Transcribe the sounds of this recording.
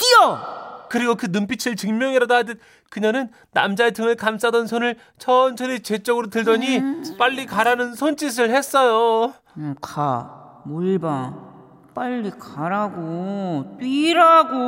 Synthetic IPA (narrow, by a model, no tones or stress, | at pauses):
k͈ijʌkɯɾiɡokɯnɯmpʰit͡ɕʰiɭt͡ɕɯŋmjʌŋiɾadadɯ | kɯɲanɯnːa̰md͡ʑaetɯŋɯɭkams͈adʌnsʰonɯɭ | t͡ɕʰʌnt͡ɕʰʌɾet͡ɕe̞t͡ɕ͈ʌɡɯɾotɯɭdʌɲip͈aʎːikaɾanɯnsʰont͡ɕ͈is̬ʰɯɭhe̞s͈ʌjo | kamoɭba | p͈aʎːikaɾaɡot͈wiɾaɡo